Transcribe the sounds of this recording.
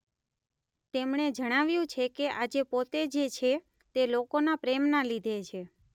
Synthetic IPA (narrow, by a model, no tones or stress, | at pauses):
t̪emɳed͡ʒəɽ̃aʋjũt͡ʃʰekeʔad͡ʒepot̪ed͡ʒet͡ʃʰe | t̪elokonapɾemnalid̪ʱet͡ʃʰe